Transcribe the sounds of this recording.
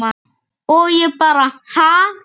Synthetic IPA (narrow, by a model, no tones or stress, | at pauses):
a | ojepaɾaha